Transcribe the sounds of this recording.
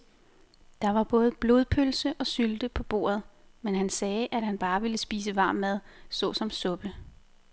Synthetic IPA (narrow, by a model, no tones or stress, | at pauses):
d̥ɑ̈ʋɑ̈b̥ɔ̽ːð̞̩ˠb̥lo̝ð̞ˠpʰølsəʔɒ̽syld̥əpʰɒ̽b̥o̝̰ːɐð̞̩ˠmenɦænsɛːʔæd̥hænb̥ɑ̈ːʋe̝ləsb̥iːs̬əʋɑ̈ːmːæð̞ˠsɒ̽sɒ̽msɔ̽b̥ə